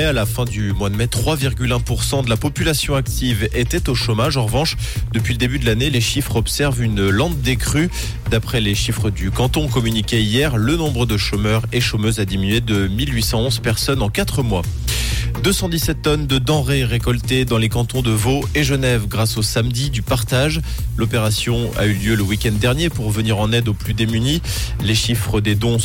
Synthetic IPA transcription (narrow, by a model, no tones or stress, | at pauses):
ɛalafɛ̃d̪ymwad̪mɛt̪χwaviʁɡʲylɛ̃puʁsɑ̃d̪əlapɔpylasjɔ̃ak̚t̪ivet̪ɛt̪oʃomaʒɑ̃ʁəvɑ̃ʃ | d̪əpɥiləd̪ebyd̪əlaneleʃifχɔpsɛʁvynlɑ̃t̪̚d̪ekχy | d̪apχɛleʃifχəd̪ykɑ̃t̪ɔ̃kɔmynikʲeijɛʁlənɔ̃bʁəd̪əʃomœʁeʃomøzad̪iminɥed̪əmilɥisɑ̃ɔ̃zpɛʁsɔnɑ̃kat̪χəmwa | d̪øsɑ̃d̪isɛt̪ːɔnd̪əd̪ɑ̃ʁeʁekɔlt̪ed̪ɑ̃lekɑ̃t̪ɔ̃d̪əvoeʒənɛvɡʁasosamd̪id̪ypaʁt̪aʒlopeʁasjɔ̃a̰yljøləwikʲɛ̃nd̪ːɛʁnjepuʁvəniʁɑ̃nɛd̪oplyd̪emyni | leʃifχəd̪ed̪ɔ̃